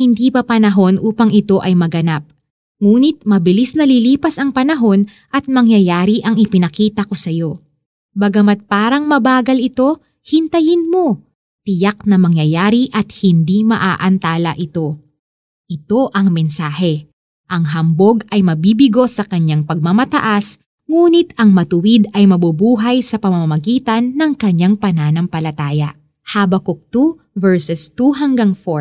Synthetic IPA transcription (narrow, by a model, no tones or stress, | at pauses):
hɪnd̪ipɐpɐnɐɦo̞nʔuːpɐŋɪt̪o̞ʔɐjmɐɡɐnap̚ | ŋuːnɪt̪̚mɐbɪlisnɐliliːpɐsɐŋpɐnɐɦo̞n | ʔɐt̪̚mɐŋjɐjaːɾiʔɐŋɪpɪnɐkiːt̪ɐko̞sɐjo̞ | bɐɡɐmɐt̪̚paːɾɐŋmɐbaːɡɐlɪt̪o̞ | hɪnt̪ɐjɪnmo̞ | t̪ɪjaknɐmɐŋjɐjaːɾiʔɐt̪̚hɪnd̪imɐ̰ʔaːʔɐnt̪aːlɐ̰ʔɪt̪o̞ | ʔɪt̪o̞ʔɐŋmɛnsaːɦɛ | ʔɐŋɦɐmbo̞ɡɐjmɐbiːbɪɡo̞sɐkɐɲaŋpɐɡ̚mamɐt̪ɐ̰ʔas | ŋuːnɪt̪ɐŋmɐt̪ʊwid̪ɐjmɐbubuːɦɐjsɐpɐmɐmamɐɡiːt̪ɐnːɐŋkɐɲaŋpɐnaːnɐŋpɐlɐt̪aːjɐ̰ʔ | haːbɐkok̚t̪u | vɛɹsɛst̪uɦɐŋɡaŋfoɹ